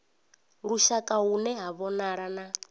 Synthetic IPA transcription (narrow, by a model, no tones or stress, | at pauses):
ɺuʃakʼaɦunɛɦaβɔnaɺana